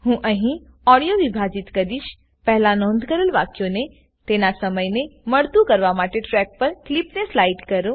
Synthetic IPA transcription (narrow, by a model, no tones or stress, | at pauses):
ɦũːʔə̃ɦĩ | ɔɽijoʋibʱad͡ʒɪt̪kɐd̪iʃ | pɛɦlanɔːnd̪ʱkəɾəlʋaːkjone | t̪enasɐməjnemɐɽt̪ukɐɾʋamaːʈeʈɾɛk̚pɐɾklipneslaɪʈkɐɾũ